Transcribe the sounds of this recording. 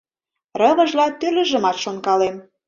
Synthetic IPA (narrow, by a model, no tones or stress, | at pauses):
rɤ̆βɤ̆ʒlɑt̪ylə̆ʒə̆mɑt̪ʃonkɑlem